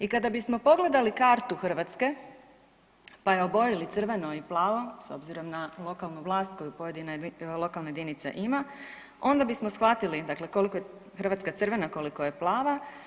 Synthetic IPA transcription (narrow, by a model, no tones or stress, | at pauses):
ikad̪abismo̞po̞ɡle̞d̪alikaːɾt̪uxr̩ʋat̪ske̞ | pajeobo̞jilit̪sr̩ʋe̞no̞iplˠaːʋo̞so̞̰bziɾo̞mnalˠo̞kalˠnuʋlˠaːst̪̚ko̞jupoje̞d̪inalˠo̞kalˠnajed̪init̪sḛʔima | o̞nd̪abismo̞sxʋat̪ilid̪akle̞ko̞likoj | xrʋat̪skat̪sɨr̩ʋe̞nako̞likoje̞plˠaːʋa